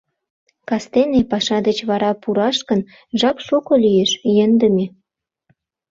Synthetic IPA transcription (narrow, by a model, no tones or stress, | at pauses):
kɑst̪enepɑʃɑd̪ət͡ɕβɑɾɑpuɾɑʃkən | ʒɑkʃokŏlyjeʃjənd̪ə̆me